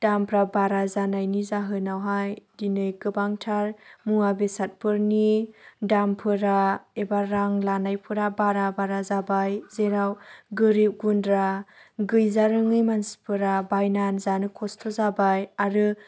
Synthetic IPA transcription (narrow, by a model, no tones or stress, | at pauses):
d̥ampʰɾabaɾazanajnizaɦɯnawɦajdinɯjkɯbaŋtʰaɾmuabesat̚pʰɯɾnidampʰɯɾaebaɾaŋlanajpʰɯɾabaɾabaɾazabajzeɾawɡɯɾip̚ɡundɾaɡɯjzaɾɯŋɯjmansi̥pʰɯɾabajnanzanɯkʰɔstʰɔzabajaɾɯ